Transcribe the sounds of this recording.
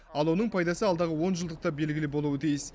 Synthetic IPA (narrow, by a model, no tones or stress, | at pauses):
ɑlˠwo̞nəɴpʰɑjd̪ɑsəɑlˠd̪ɑʁəwo̞nʒəlˠd̪əq̚t̪ɑbe̞lɡʲɪlɪbo̞lˠuwət̪ʰijɪs